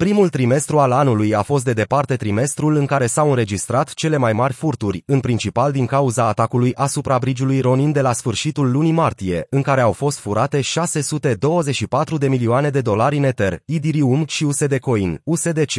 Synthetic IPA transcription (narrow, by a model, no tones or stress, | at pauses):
pɾimult̪ɾime̞st̪ɾualanulujafo̞s̬t̪̚d̪e̞d̪epart̪e̞t̪ɾime̞st̪ɾulɨŋkaɾe̞sawɨnɾe̞d͡ʒist̪ɾat̪t͡ʃe̞le̞majmarʲfurt̪urʲɨnpɾint͡ʃipald̪iŋkauzaːt̪akulujʔasupɾabɾid͡ʒulujɾo̞nind̪e̞lasfɨrʃit̪ulːunimart̪ije̞ɨŋkaɾe̞awfo̞st̪fuɾʔat̪e̞ʃase̞sut̪e̞d̪o̞wəze̞ʃipat̪ɾud̪e̞milioane̞d̪e̞d̪o̞laɾʲɨne̞t̪e̞rid̪iɾiumʃiuse̞d̪e̞ko̞inuse̞d̪e̞t͡ʃe